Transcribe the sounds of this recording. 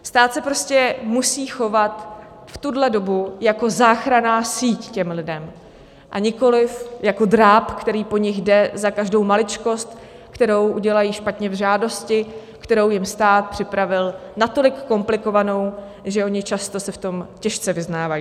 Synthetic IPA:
st̪aːt̪sɛpɾo̞scɛmusiːxo̞vat̪ | ft̪udlɛdo̞bujako̞zaːxɾanaːsiːccɛmlɪdɛm | ʔa̰ɲɪko̞lɪfjako̞dɾapkt̪ɛɾiːpo̞ɲɪxdɛzakaʒdo̞wmalɪt͡ʃko̞st̪ | kt̪ɛɾo̞wʔuɟɛlajiːʃpat̪ɲɛvʒaːdo̞scɪ | kt̪ɛɾo̞wjɪmst̪aːt̪̚pr̥ɪpɾavɪlnat̪o̞lɪkːo̞mplɪko̞vano̞w | ʒɛʔo̞ɲɪt͡ʃast̪o̞sɛft̪o̞mcɛʃt͡sɛvɪznaːvajiː

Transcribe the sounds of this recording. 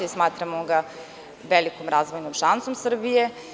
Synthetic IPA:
esmaːt̪ɾamoɡa | ʋelikomɾaːzʋojnomʃansomsr̩bije

